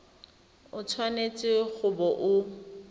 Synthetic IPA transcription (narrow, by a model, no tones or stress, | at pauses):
ʊt͡sʰwanet͡sʼɪɣʊbɔʔʊ